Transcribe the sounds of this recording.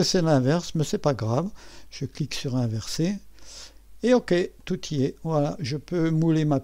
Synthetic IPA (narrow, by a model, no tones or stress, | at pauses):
əsɛlɛ̃vɛʁsmɛsɛpaɡʁavʒ̥əkliksyʁɛ̃vɛʁse | eɔkʲet̪ut̪ʰiɛvwalaʒəpømulema